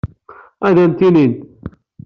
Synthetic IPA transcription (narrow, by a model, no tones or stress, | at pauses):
æðænt̪inint̪